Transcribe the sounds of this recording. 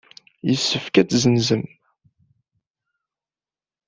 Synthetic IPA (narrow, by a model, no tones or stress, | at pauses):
jəsːəfkæt͡szənzəm